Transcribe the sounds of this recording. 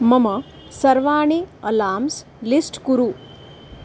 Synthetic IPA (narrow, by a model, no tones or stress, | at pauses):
mɐmɐ | sɐɾʋaːɳiɐlaːms | lisʈkuɾu